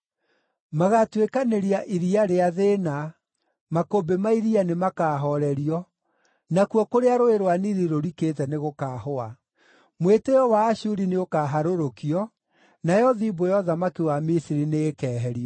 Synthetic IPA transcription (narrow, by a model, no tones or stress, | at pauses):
maɣatwekaneɾiaʔiɾiaɾeaðena | makobemaiɾianemakaːɦɔɾɛɾiɔ | nakwɔkoɾeaɾoeɾowaniɾiɾoɾiketɛneɣokaːhoa | mweteɔwaːɕuɾineokaːɦaɾoɾokiɔ | najɔðibojɔðamakiwamisiɾineːkɛːɦɛɾiɔ